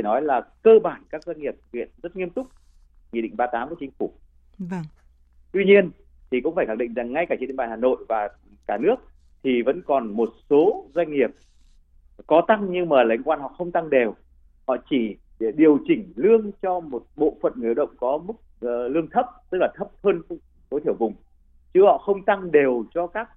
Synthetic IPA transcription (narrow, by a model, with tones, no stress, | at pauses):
nɔ˨˦jlaː˨˩kəː˧ɓaː˧˩nkaː˦˥k̚zwa˧jŋ̟ŋi˨˩əp̚vḭ˧˨ənzə˦˥t̚ŋi˧əmt̪ʊ˦˥k͡p̚ | ŋḭ˧˨ɗḭ˧˨ŋ̟ɓaː˧t̪aː˨˦mku˧˩t͡ɕï˨˦ŋ̟fu˧˩ | t̪wi˧ɲi˧ən | t̪ʰi˨˩kʊ̰˧˥ŋ͡mfaː˧˩xa˧˩˨ɗḭ˧˨ŋ̟za˨˩ŋːa˧jkaː˧˩i˧nẽ˧˦˩ɓaː˨˩haː˨˩no̰˧˨jvaː˨˩ | kaː˧˩nɨ˦˥ək̚ | t̪ʰi˨˩və̰˧˥nkɔ˨˩nmo˨˩t̚so˨˦zwa˧jŋ̟ŋi˨˩əp̚ | kɔ˨˦t̪a˧ŋɲɨ˧ŋmaː˨˩la˨˦jŋ̟kwaː˧nhɔ̰˧˨xə˧wŋ͡mt̪a˧ŋɗe˨˩w | hɔ̰˧˨t͡ɕi˧˩ | ɗi˨˩əwt͡ɕï˧˩ŋ̟lɨ˧əŋt͡ɕɔ˧mo˨˩t̚ɓo̰˧˨fə̰˧˨nŋɨ˨˩˨ɗə̰˧˨wŋ͡mkɔ˨˦mɨ˦˥k̚ːlɨ˧əŋt̪ʰə˦˥p̚t̪ɨ˦˥k̚laː˨˩t̪ʰə˦˥p̚həː˧n˧ | t̪o˨˦t̪ʰi˧˩əwvʊ˨˩ŋ͡m | t͡ɕɨ˨˦hɔ̰˧˨xə˧wŋ͡mt̪a˧ŋɗe˨˩wt͡ɕɔ˧kaː˦˥k̚